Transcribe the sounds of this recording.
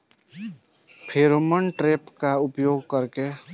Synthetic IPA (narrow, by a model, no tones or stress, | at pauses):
pʰeɾomənʈɾepkaʊpjoɡkəɾke